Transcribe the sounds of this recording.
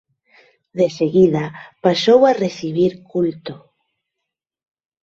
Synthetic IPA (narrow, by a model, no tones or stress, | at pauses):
ðeseɣiðapasowareθiβ̞iɾkult̪o